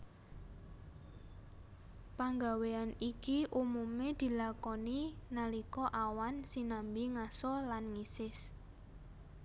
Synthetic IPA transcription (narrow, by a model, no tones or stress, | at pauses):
paŋɡaweanikiʔumumed̪̥i̤lakɔninalikɔʔawansinambiŋasɔlanŋisɪs